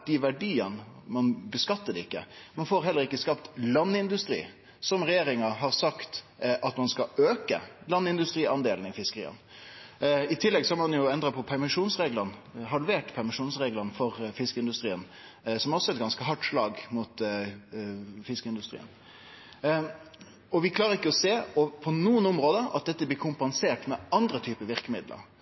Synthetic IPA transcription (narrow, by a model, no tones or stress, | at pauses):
d̪ɪʋæɖiːənmɑnbəskɑt̪ːəd̪ɛɪkːə̰mɑnfoːɾɦɛlːəʁɪkːəskɑpt̪lɑnːɪnd̪ʉst̪ɾḭː | sɔmʁɛjeːɾɪŋəɦɑʁsɑkt̪ | ʔɑt̪mɑnskɑøːkə̰lɑnːɪnd̪ʉst̪ʁiːɑnd̪eːln̩ɪfɪskəɾḭːə̰n | ɪt̪ʰɪlːɛɡsɔhɑmɑnjʊɛnd̪ɾəpʰɔpʰæɾmɪʂuːnsʁeːɡlɑnɦɑlʋeːʈpʰæʁmɪʂuːnsʁeːɡlənfɔʁfɪskəɪnd̪ʉst̪ʁiːən | sɔmɔsɔɛt̪̚ɡɑnskəɦɑʈːʂlɑːɡmʊt̪ | fɪskəɪnd̪ʉst̪ʁḭːə̰n | ɔʋɪkʰlɑːɾəʁɪkːəɔseːɔpʰɔnuːənɔmɾoːd̪əɑ̰t̪̚d̪ɛt̪ːəblɪːkʰʊmpɛnseːʈmɛɑnd̪ɾət̪ʰyːpəʋɪʁkəmɪd̪lʔə̰ɾ